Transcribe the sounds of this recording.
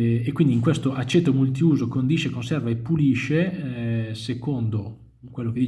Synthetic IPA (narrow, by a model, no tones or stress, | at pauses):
ekːwind̪iŋkwest̪oʔat͡ʃːet̪ːomult̪iuːzokond̪iːʃekonsɛrvaepːuliʃe | sekond̪o | kwelːoked̪i